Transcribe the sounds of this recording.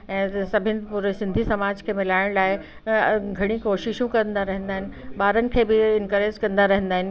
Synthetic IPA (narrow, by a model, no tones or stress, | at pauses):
ɛ̃ːsɐbʱɪnɪ̆puːɾesɪ̃nd̪ʱisɐmaːd͡ʑkʰeːmɪlaːɪɽ̃laːɪ | ɡʱɐɽ̃ikoːʃɪʃũkɐɾə̃nd̪aɾɐɦə̃nd̪aːɦɪnɪ̆ɓaːɾənɪ̆kʰeːbɪɪnkəɾeːzkɐ̃nd̪aɾɐɦə̃nd̪aːɦɪnɪ̆